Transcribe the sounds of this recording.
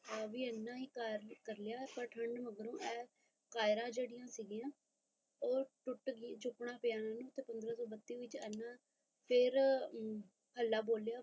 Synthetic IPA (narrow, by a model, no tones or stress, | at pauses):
ʋiːɛːnːãːɦiːkaɾkəɾljaːpəɾʈʰəɳɖməɡəɾõːʔɛː | kaːɪɾãːd͡ʒeːɽɪjãːsiːɡijãː | oːɾʈʊʈɡid͡ʒʊpɳãːpeaːnãːnũːt̪eːpənd̪ɾaːsɔːbət̪ːiːʋɪiːt͡ʃɛːnːãː | pʰɪɾ | həlːaːboːljaː